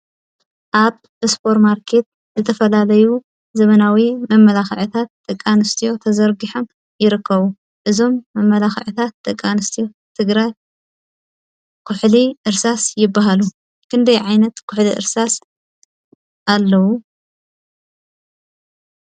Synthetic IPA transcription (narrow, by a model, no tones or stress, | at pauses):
ʔaβ | ɨspʰo̞ɾmaɾkʰe̞t̪̚ | zɨt̪ʰɐfɐlalɐju | zɐβɐnawimɐmːɐlaxɐʕɨt̪ʰat̪̚d̪ʼɐkʼːanɨst̪ʰijo̞t̪ʰɐzɐɾɡiħo̞m | jɪɾɨkːɐβu | ʔɨzo̞mːɐmːɐlaxʕɨt̪ʰat̪̚d̪ɐkʼːanɨst̪ʰijo̞ | t̪ʰɨɡɾaj | kʰʊħliʔɨɾsasjɪbːaɦalu | kʰɨnd̪ɐjʕajnɐt̪kʰʊħliʔɨ̰ɾsas | ʔalːɐwu